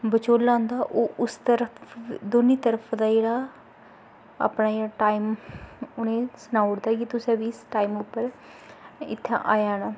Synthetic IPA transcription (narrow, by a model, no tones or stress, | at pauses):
bət͡ʃoːlãːnd̪aːʔoːʔʊst̪əɾəpd̪oːniːt̪əɾəpʰd̪aːd͡ʒeːɽaː | a̰ːpnaːjeːaːʈaːiːmʊnẽːsənaːʊɽd̪aːkit̪ʊsãːʋisʈaːimʊpːəɾ | ɪ̰t̪ʰːã̰ːʔaːjaːnaː